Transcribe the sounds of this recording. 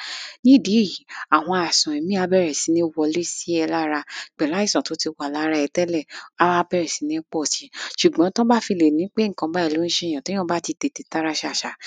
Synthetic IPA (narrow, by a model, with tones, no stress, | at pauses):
nĩ˦˨de˨˦ji˨˦a˨w̃ɔ̃˧a˨sɔ̃˨ĩ˨mĩ˦a˧bɛ˦˨ɾɛ˨si˨˦nĩ˦˧wɔ˧le˦si˦ɛ˧la˦ɾa˧˨k͡pɛ˨la˨˦i˦˨sã˨to˨˦ti˧wa˨la˨˦ɾa˧ɛ˧tɛ˦lɛ˦˨a˨˧a˦˧˦bɛ˦ɾɛ˨si˨˦nĩ˦k͡pɔ˦˨ti˨˦ʃu˨ɡ͡bã˦tɔ̃˦ba˦fi˧le˨nĩ˨˦k͡pe˦ŋ̩˨kã˧ba˦i˦˧˨lo˨˦ñ̩˦ʃɛ˦˨j̃ã˨tõ˨˦ã˦ba˦ti˧te˧˨te˨ta˦ɾa˦ʃa˦˨ʃa˨